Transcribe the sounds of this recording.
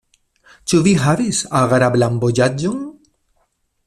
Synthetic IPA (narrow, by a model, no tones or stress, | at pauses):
t͡ʃuviɦavisaɣaɾablambod͡ʒad͡ʒoŋ